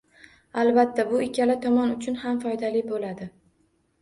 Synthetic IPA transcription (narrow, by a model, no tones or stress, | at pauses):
albat̪ːabʊɪkʲalɪt̪ʰɒmɒnʊt͡ʃʰʊnhamfɒjd̪alɪbolad̪ɪ